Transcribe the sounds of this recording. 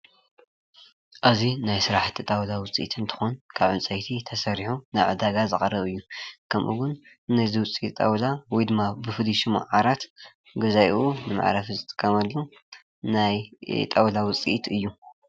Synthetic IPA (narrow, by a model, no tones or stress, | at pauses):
ʔɨzinajsɨɾaħt̪ʰit̪ʼawlawʊt͡sʼḭʔt̪ʰɨnt̪ʰɨ̥xonkʰaβʕunt͡sʼɐjt̪ʰit̪ʰɐsɐɾiħunajʕɨ̰d̪aɡazɨxʼɐrɐβɨjːukʰɐmʔṵɡʊnː | ɐziwʊt͡sʼit̪ʼɐ̰wlawɔjd̪ɨmːabɨfɨliʃima̰ʕaɾat̪ | ɡɐzajʔunɨma̰ʕɾafizɨt̪ʼɨ̥kʼːɐmɐlːu | najt̪ʼawlawʊt͡sʼḭʔt̪ʰɨjːu